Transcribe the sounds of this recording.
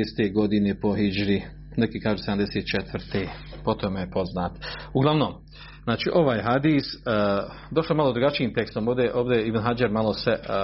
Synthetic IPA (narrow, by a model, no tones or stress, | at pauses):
est̪eɡo̞d̪inepo̞ɦid͡ʒɾi | nekikaːʒused̪amd̪e̞seːt̪̚t͡ʃet̪ʋərt̪e | po̞t̪ʰomejepo̞znaːt̪uɡlˠaʋno̞ːm | znaːt͡ʃiːʔo̞ʋaːjɦad̪iːs | d̪o̞ʃloemalˠod̪ɾuɡat͡ʃiiːmt̪e̞kst̪omo̞ːʋd̪eʔoːʋd̪eibnɦad͡ʒeɾmalˠose